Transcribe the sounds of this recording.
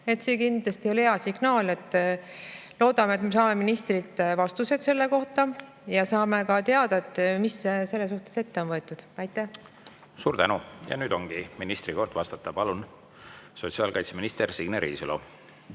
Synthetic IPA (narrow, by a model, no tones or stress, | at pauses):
e̞t̪sekind̪̥lɑst̪io̞leɑsiɡ̥nɑːle̞t̪ːˑ | lo̞ːd̪̥ɑmet̪me̞sɑːme̞minist̪rilt̪vɑst̪use̞d̪se̞lːe̞ko̞ht̪ɑ | jɑsɑːme̞kɑt̪e̞ɑd̪̥ɑet̪ːˑmisse̞lːes̬uht̪ese̞t̪ːeo̞nvɤ̞e̞t̪ːˑud̪̥ɑjt̪ːˑæh | suːɾd̪ænujɑ̰nyːd̪o̞ŋɡ̥iminist̪ɾiko̞rd̪̥vɑst̪ɑt̪ːˑɑpɑlun | so̞t̪siɑːlkɑjt̪seminist̪ersiɡneɾḭːsylo̰